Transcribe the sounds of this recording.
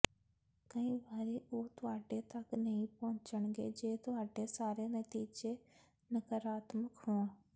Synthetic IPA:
kəĩːbaːɾiːʔoːt̪ʊɦaːɖet̪ɐknəĩpɔʊ̃t͡ʃəɳ̃ɡḛːd͡ʒeːt̪ʊɦaːɖesaːɾenət̪iːd͡ʒeː | nəkəɾaːt̪məkɦõːãː

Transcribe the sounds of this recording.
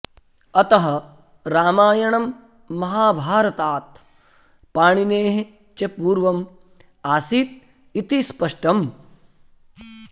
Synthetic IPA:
ɐt̪ɐɦɐ | ɾaːmaːjɐɳɐmː | ɐɦaːbʱaːɾɐt̪aːt̪̚ | paːɳineːɦe | t͡ʃepuːɾʋɐm | aːsiːt̪̚ | it̪ispɐʂʈɐm

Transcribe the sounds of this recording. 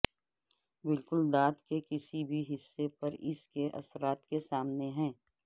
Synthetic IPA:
bɪlkʊld̪aːt̪kekɪsibʱiɦɪsːepɐɾɪskeʔɐ̰sɾaːt̪kesaːmneɦɛ̃ː

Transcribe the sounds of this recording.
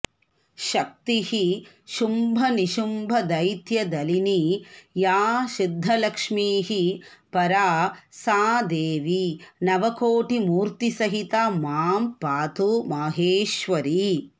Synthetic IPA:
ʃɐk̚t̪iɦi | ʃumbʱɐniʃumbʱɐd̪ɐjt̪jɐd̪ɐlinijaːʃid̪ʱːɐlɐkʂmiːɦipɐɾaːsaːd̪eːʋinɐʋɐkoːʈimuːɾt̪isɐɦit̪aːmaːmpaːt̪umɐːɦeːʃʋɐɾi

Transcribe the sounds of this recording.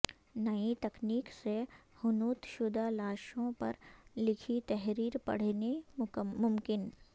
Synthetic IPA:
nɐit̪ɐkniːksehʊnuːt̪ʃʊd̪ʱalaːʃõpɐ̰ɾlɪkʰit̪ɛɦɾiːɾpɐ̰ɽ̤nemʊmkɪn

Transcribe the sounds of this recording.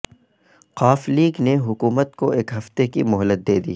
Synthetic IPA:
qaːfliːɡneɦʊkuːmət̪koeːkɦɐft̪ekimʊɦəlːət̪̚d̪eːd̪ḭː

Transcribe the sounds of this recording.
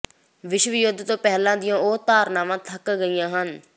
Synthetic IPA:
ʋɪʃʋɪjʊd̪ʱt̪õːpɛɦlãːd̪ɪjãːoːt̪aːɾnaːmãːt̪ʰəkɡəɪjãːɦən

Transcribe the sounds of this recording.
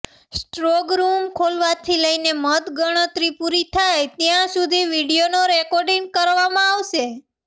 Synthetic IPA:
sʈɾoɡɾumkʰolʋat̪ʰiləinemət̪ɡəɽ̃ət̪ɾipuɾit̪ʰajt̪jãsud̪ʱiʋiɽijonoɾɛkɔɾɖiŋɡ̚kəɾʋamãaʋʃe

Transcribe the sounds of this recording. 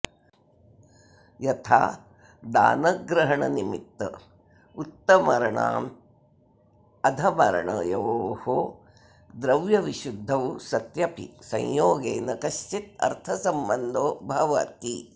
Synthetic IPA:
jɐt̪ʰa̰ː | d̪a̰ːnɐɡɾɐɦɐɳɐnimḭt̪ːɐ̰ | ut̪ːɐmɐɾɐɳa̰ːm | ɐd̪ʱɐmɐɾɐ̰ɳɐ̰jɐʋho | d̪ɾɐʋjɐʋiʃud̪ʱːɐwsɐt̪jɐpḭsɐ̰̃jjoːɡeːnɐkɐʃt͡ʃit̪̚ɐ̰ɾt̪ʰɐsɐmbɐnd̪oːbʱɐʋɐ̰t̪i

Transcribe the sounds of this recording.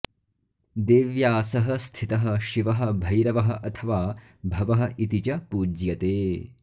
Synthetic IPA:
d̪eːʋjaːsɐɦɐst̪ʰit̪ɐɦɐ̆ʃiʋɐɦɐ̆bʱɐjɾɐʋɐɦɐ̆ʔɐt̪ʰɐʋaː | bʱɐʋɐɦɐ̆ʔit̪it͡ʃɐpuːd͡ʒjɐt̪eː

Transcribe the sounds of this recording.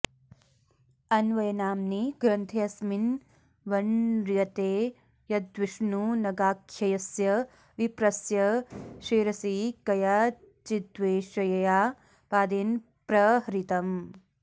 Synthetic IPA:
ɐnʋɐjɐnaːmniɡ̥ɾɐnt̪ʰeɐsmin | ʋɐɳɾjɐt̪eː | jɐd̪ʋiʂnunɐɡaːkʰjɐjɐsjɐ | ʋipɾɐsjɐʃeːɾɐsikɐjaː | t͡ʃid̪ʋeːʃɐjɐjaː | paːd̪eːn | pɾɐɦɐɾit̪ɐm

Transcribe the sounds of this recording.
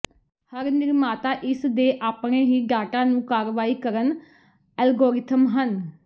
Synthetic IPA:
həɾnɪɾmaːt̪aːʔɪsd̪eːʔaːpɳ̃eːɦiːɖaːʈãːnũːkaːɾʋaːiːkəɾən | ɛːlɡoːɾɪt̪ʰəmɦən

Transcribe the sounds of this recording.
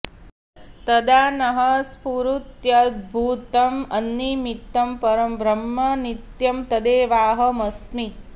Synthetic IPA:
t̪ɐd̪aːnɐɦɐspuɾut̪jɐd̪̚bʱuːt̪ɐmɐnːimit̪ːɐmpɐɾɐmbɾɐmːɐnit̪jɐmt̪ɐd̪eːʋaːɦɐmɐsmi

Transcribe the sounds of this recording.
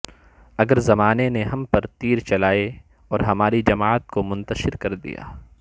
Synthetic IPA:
ɐɡəɾzɐmaːneneɦɐmpɐɾt̪iːɾt͡ʃɐlaːe | ɔːɾɦɐmaːɾid͡ʒɐmaːət̪̚komʊ̃nt̪ɐʃɪɾkɐɾd̪ḭja̰ː

